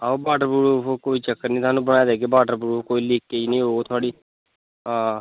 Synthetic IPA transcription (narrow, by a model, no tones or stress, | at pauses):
aobaːɖəɾbuɾuokoːiːt͡ʃəkːəɾnĩːt̪ʰaːnũːbəɽaːjd̪eːɡeːbaːɖəɾbuːɾuːkoːiːliːkːeinĩːɦoːot̪ʰʊaːɽiː | ãː